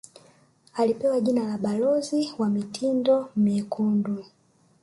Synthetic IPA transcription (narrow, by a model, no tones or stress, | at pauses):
alipɛwaʄinalaɓalɔziwamitʰindɔmɛkʰundwɛ